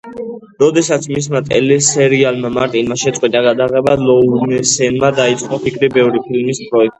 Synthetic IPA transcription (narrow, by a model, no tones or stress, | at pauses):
ɾɔd̪ɛsat̪sʰmis̬mat̪ʼɛ̰lɛsɛɾialˠmamaɾt̪ʼinmaʃɛt̪sʼqʼwit̪ʼaɡad̪aʁɛbalɔnɛsɛnmad̪ait̪sʼqʼɔpʰikʰɾibɛvɾipʰilmispʼɾɔɛk̚t̪ʼi